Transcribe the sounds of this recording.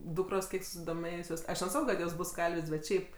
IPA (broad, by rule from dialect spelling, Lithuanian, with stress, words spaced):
ˈdʊkroːs ˈkʲiɛk sʊsʲɪdoːˈmʲeːjʊsʲoːs ɐʃ nʲɛˈsɑːkoː kɐt ˈjoːs ˈbʊs ˈkɐlʲʋʲeːsʲ bʲɛt ˈʃʲɛɪp